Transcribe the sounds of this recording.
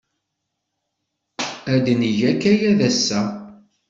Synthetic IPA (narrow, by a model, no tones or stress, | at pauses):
æd̪nəʝækːæjæðæsːæ